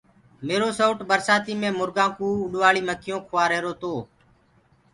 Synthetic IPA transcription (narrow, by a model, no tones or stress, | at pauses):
meːɾoːsoːʈɓəɾsaːt̪iːmẽːmʊɾɡãːkuːʊɗʋaːɭiːməkʰɪjõːkʰʊʋaːɾeːɾoːt̪oː